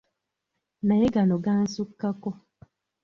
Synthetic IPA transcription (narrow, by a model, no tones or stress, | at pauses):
najeɡanɔɡan̩sukːakɔ